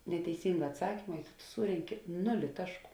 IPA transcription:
nʲɛtʲɛɪˈsʲiːŋɡɐ ɐtˈsɑːkʲɪmɐ ɪ tʊ tʊ ˈsuːrʲɛŋʲkʲɪ ˈnʊlʲɪ ˈtɑːʃˌkuː

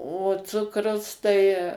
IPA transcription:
oː ˈt͡sʊkrʊs tɐɪ

